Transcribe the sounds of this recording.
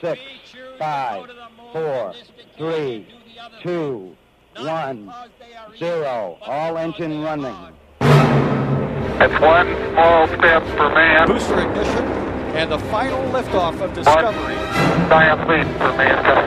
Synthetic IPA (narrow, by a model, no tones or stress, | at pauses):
sɪksfaɪv̥fɔɹθɹitʰu | wʌ̃n | zɪɹoʊɔlˠɛ̃nd͡ʒɨ̃nɹʌnɪ̰̃ŋ | ɨtswʌ̃nfɔlˠstɛ̃pfə˞mæ̃bʉstə˞ɨɡ̚nɪʃɨ̃nɨ̃nðəfãɪ̃nl̩ˠlɪftɔfʌvdɨsʌʌvə˞i | saɪɨ̃nʰlĩpə˞mẽn